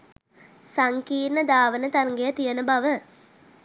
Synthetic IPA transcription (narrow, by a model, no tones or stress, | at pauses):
saŋkiːrnəd̪aːʋənət̪arŋɡejət̪ijənəbaʋə